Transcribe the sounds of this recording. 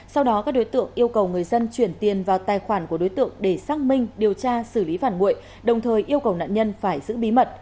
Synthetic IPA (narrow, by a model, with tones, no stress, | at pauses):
sa˧wɗɔ˨˦kaː˦˥k̚ɗo˨˦jt̪ɨ̰˧˨əŋʔi˧əwkə˨˩wŋɨ˨˩əjzə˧nt͡ɕwi˧˩ənt̪i˨˩ənvaː˨˩wt̪aː˨˩jxwaː˧˩nku˧˩əɗo˨˦jt̪ɨ̰˧˨əŋɗe˧˩saː˦˥k̚mï˧ŋ̟ɗi˨˩əwt͡ɕaː˧sɨ˧˩li˨˦faː˧˩nŋṵ˧˨əj | ɗə˨˩wŋ͡mt̪ʰəː˨˩jʔi˧əwkə˨˩wna̰ː˧˨nɲə˧nfaː˧˩jzɨ̰˧˥ɓi˨˦mə˨˩t̚